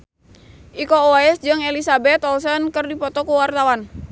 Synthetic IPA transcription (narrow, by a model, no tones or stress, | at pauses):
ʔikooaɛsd͡ʒɨŋɛlisabɛt̪ɔlsɔnkərdipɔt̪ɔkuwart̪awan